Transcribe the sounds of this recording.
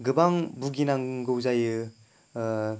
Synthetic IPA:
ɡɯbaŋbuɡinaŋɡɯwzajɯ

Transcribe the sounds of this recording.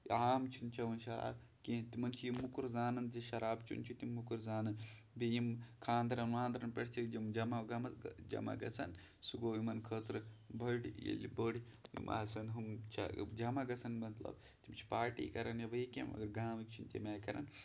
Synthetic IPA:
aːmt͡ʃʰunt͡ʃʰɐʋɐnʃɐɾa̰ːbkit̪imɐnt͡ʃʰijimːukuɾzaːnɐnziʃɐɾaːbt͡ʃʰṵnt͡ʃʰut̪imːukuɾzaːnɐn | bijimkʰaːnd̪ɾɐnʋaːnd̪ɾɐnpɐɽt͡ʃʰikd͡ʒimd͡ʒɐmaɡɐmɐd͡ʒɐ̰ma̰ɡɐ̰t͡sʰɐn | suɡoːjimɐnkʰɐːt̪ɾɨbʱɐʈjḛlibəɽʲijḭmʔa̰ːsɐnɦumt͡ʃʰɐ̰d͡ʒɐmaɡɐt͡sʰɐnmɐt̪lɐ̰b | t̪imt͡ʃʰi̥paːɾʈḭːkɐɾɐnjɐbɐikḛmɐ̰ɡɐɾɡaːmik̚t͡ʃʰunt̪ʲimaːkɐɾɐ̰n

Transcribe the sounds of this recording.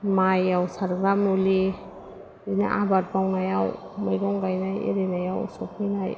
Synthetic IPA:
majawsaɾɡɾamuli | ina̰ʔabat̚bawnajaw | majɾɔŋɡajnajḛɾenajawsɔp̚ninaj

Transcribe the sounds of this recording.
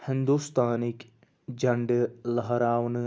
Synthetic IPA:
hɪnd̪ust̪aːnik | d͡ʒɐɳɖɨlɐɦɐɾaːʋnɨ

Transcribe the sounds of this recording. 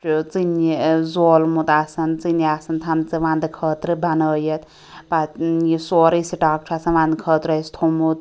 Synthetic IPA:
t͡sinizoːlmut̪asɐnt͡siniasɐnt̪ʰɐnt͡sɨʋãnd̪ɨkʰəːt̪ɾɨbɐnəːjɐt̪ | pajisoɾisiʈaːk̚ʈʰaːsɐnʋãnd̪kʰət̪ɾɐst̪ʰomut̪

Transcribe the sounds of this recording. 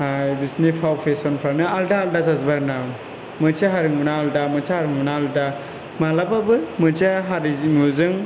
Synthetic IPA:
hajbisnipʰawpʰesɔnpʰɾanɯaldaːldazazbaɾna | mɯt͡ʃaɦaɾɯŋmunaːldamɯt͡ʃʰahaɾɯŋmunaːlda | malababɯmɯt͡ʃaɦaɾimuzɯŋ

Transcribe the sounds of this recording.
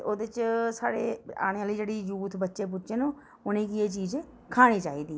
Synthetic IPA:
oːd̪ɪt͡ʃsa̰ːɽeːa̰ːɽ̃eːaːliːd͡ʒeːɽiːjuːt̪ʰbətːʃeːp̬ʊtːʃeːnũː | ʊnẽːkieːt͡ʃiːzẽː | kʰaːɽ̃iːt͡ʃaːiːd̪iː

